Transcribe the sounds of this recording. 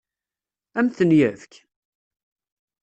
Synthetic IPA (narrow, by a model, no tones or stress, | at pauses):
æmθənjəvk